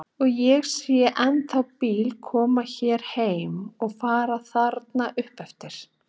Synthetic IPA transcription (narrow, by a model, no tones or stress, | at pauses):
ɔɣjɛɣsiːjaʔɛnθawpiːlkʰɔːmaçɛːɾ̥heːjmɔɣfaːɾaθaɾt̪naʔʏhpɛft̪ɪɾ̥